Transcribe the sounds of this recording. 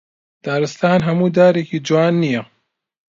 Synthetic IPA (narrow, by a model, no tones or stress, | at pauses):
d̪̥aːɾɨst̪aːnɦɐmuːd̪aːɾeːkiːd͡ʒuwaːnːijɛ